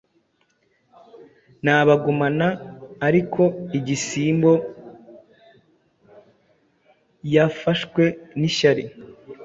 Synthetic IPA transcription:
naːβaɡumanaːɾikʰo̞iɟisiːmbo̞ | jafaʃkwe̞niʃaɾi

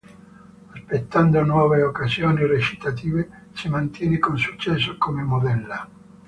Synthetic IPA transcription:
aspet̪ːand̪onwɔːveokazjoːniret͡ʃi̥t̪at̪iːve | simant̪jɛːnekonsut͡ʃːɛsːokomemod̪ɛlːa

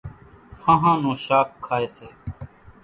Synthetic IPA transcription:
hãɦãːnõːʃaːk̚kʰːaːeːseː

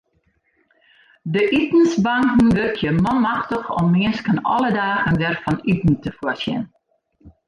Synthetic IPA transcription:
dəʔitn̩sbɑŋkn̩ʋørkʰjəmɔnmɑxtəxɔ̰mːɪənskənɔ̰lədaːəndɛrfɔnytn̩təfuəsjɪ̰n

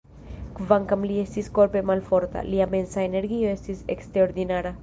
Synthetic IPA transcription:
kvaŋkamliest̪iskoɾpemalfoɾt̪a̰liamensaene̞ɾɡioe̞st̪isḛkst̪ɾeoɾd̪inaɾa

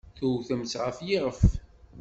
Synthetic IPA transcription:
θuwθəmt͡sʁəfjiʁəf

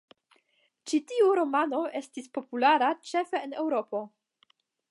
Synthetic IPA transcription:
t͡ʃitiuɾo̞mano̞e̞stispo̞pulaɾat͡ʃe̞fe̞ːne̞wɾo̞po̞

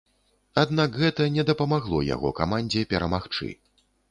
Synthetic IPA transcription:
ad̪nakɣɛt̪ɐnʲɛd̪ɐpɐmaɣlˠɔja̰ɣɔ̰ka̰manʲd͡zʲɛpʲɛɾɐmaxt͡ʂɨ̰

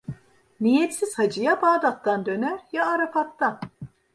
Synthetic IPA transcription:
nijɛt̪siz̥had͡ʒɯjabaːd̪at̪ːand̪ø̞næɾjaːɾapat̪ːan

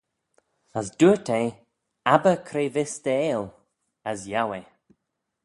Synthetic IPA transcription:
əsd̪uɹt̪ʰe | abəkʰɾeːvɪst̪əeːl | əsjawe

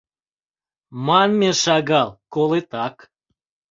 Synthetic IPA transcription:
mɑnmeʃɑɣɑlˠkolet̪ɑk

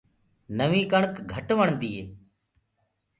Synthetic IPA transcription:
nəʋiːkəɳkɡʱəʈʋəɳd̪iːɦeː

